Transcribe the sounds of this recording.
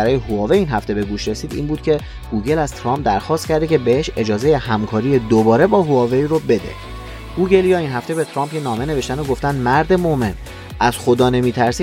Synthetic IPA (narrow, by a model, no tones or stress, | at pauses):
æɾɒːjehuɒːveiːnɦæft̪e̞be̞ɡuːʃɾe̞siːd̪ḭːnbuːd̪̥cʰe̞ | ɡ̥uːɟe̞læz̥t̪ʰɾɒːmp̚d̪æɾxɒːst̪cʰæɾd̪ecʲʰe̞be̞eʃe̞d͡ʒɒːzejehæmkʰɒːɾije̞d̪obɒːɾe̞bɒːɦuɒːveiɾobe̞d̪ḛ | ɡ̥uɟe̞ljɒːinɦæft̪ebe̞t̪ʰɾɒːmpcʰenɒːme̞ne̞ve̞ʃt̪ænoɡo̞ft̪ænd̪mæɾd̪e̞mome̞n | ʔæzxod̪ɒːne̞miːt̪ʰæɾsi